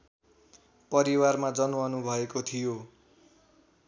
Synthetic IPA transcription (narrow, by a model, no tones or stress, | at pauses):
pʌɾiwarmad͡zʌnwʌnubʱʌekot̪ʰijo